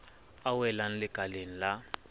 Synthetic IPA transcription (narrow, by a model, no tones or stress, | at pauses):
awɛlan̩lɪɡʱalenila